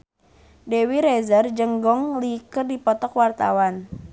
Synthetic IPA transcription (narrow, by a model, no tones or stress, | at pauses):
dewiɾɛzərd͡ʒəŋɡɔŋlikərdipɔt̪ɔkwart̪a̰wan